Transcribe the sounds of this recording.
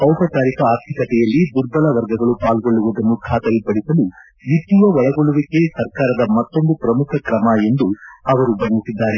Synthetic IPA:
pɐwpɐt͡ʃ̪aːɾikɐaːɾt̪ʰikɐt̪ɛjɐlːid̪uɾb̪ɐlɐʋɐɾɡɐɡɐɭupaːlɡo̞ɭːuʋud̪ɐnːukʰaːt̪ɐjipɐɽisɐlu | ʋit̪ːiʋɐʋɐɭɐɡoɭuʋike̞sɐɾkaːɾɐd̪ɐmɐt̪ːo̞nd̪upɾɐmukʰɐkɾɐmɐe̞nd̪uɐʋɐɾubɐnɡusid̪ːaːɾe

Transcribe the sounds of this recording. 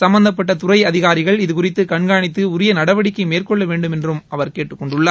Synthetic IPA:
sɐmbɐnd̪ɐp̬ːɐʈ̬ːɐt̪ʊrɐɪɐðɪɣaːɾɪɣɐɭɪðɯkʊrɪt̪ːɯkɐɳɡaːɳɪt̪ːɯʊɾɪjɐnɐɽɐʋɐɽɪkːɐɪmeːrkɔɭːɐʋeːɳɖɯmɛndrɯmɐʋɐɾkeːʈːɯkːɔɳɖɯɭːaː

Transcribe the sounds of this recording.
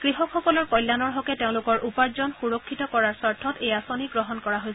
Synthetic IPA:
kɹiɦɔkʰxɔkɔlɔɹkɔjlːanɔɹɦɔkɛteʊ̃lʊkɔɹʔupaɹzɔnxuɹɔkʰːitɔkɔɹaɹsaɹtʰːɔtejasoniɡɹɔɦɔnkɔɹaɦojs

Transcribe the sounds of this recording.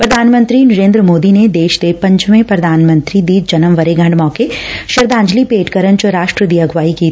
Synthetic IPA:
pɾɐd̪ʱaːnmə̃nt̪ɾinɐɾẽːnd̪ɾəmoːd̪ined̪eːʃt̪epɐ̃ɲt͡ʃmẽpɾɐd̪ʱaːnmə̃nt̪ɾid̪iːd͡ʒɐnəmʋɐɾeɡʱɐ̃ɳɖmɔːkeʃɐɾd̪ãːɲd͡ʒlipeːʈkəɾənt͡ʃəɾaːʃʈɾəd̪iːɐɡʱʋaːikiː

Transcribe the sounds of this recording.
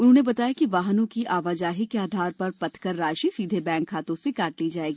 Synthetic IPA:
ʊnɦõːnebɐt̪aːjakiʋaːɦnõkiʔaːʋaːd͡ʒaːɦikeaːd̪ʱaːɾpɐɾpɐt̪kəɾːaːʃisiːd̪ʱebɛ̃ːŋkʰːaːt̪õsekaːʈliːd͡ʒaːeːɡiː

